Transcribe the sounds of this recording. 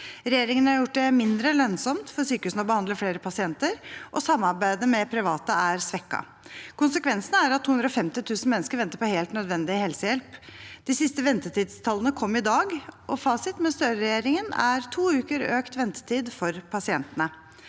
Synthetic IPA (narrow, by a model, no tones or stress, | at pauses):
ɾɛjeːɾɪŋənəɑɾjʊʈːɖ̪ɛmɪnd̪ɾəlœnsɔmt̪fɔɾsyːkəhʉsnəɔbəhɑnd̪ləfleːɾəpʰɑsɪɛnt̪əɾʔɔsɑmːɑɾbæɪd̪əmɛpʰɾɪʋɑːt̪əæɾsʋɛkːɑ̰ | kʊnsəkʋɛnsənəæɾɑt̪ʰːuhʉnd̪ɾɔfɛmt̪ɪt̪ʰʉːsn̩mɛnːskəɾʋɛnt̪əɾpɔheːlt̪nœd̪ʋɛnd̪ɪhɛlsəjɛlpd̪ɪsɪst̪əʋɛnt̪ət̪iːd̪st̪ʰɑlːənəkʰɔmːɪd̪ɑːɡʔɔfɑːsɪt̪mɛst̪øːɾɾɛjeːɾɪŋənæ̰ɾt̪ʰuːʉːkəɾøːkt̪ʋɛnt̪ə̥t̪ʰiːd̪fɔɾpʰɑsɪɛnt̪ənə